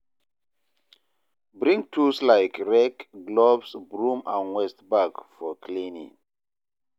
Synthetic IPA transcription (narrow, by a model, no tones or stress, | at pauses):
bɹĩŋk̚tʰuslaɪkɹɛkɡlɔbsbɹũmãnwɛstbakfɔkʰlĩnḭ̃ŋ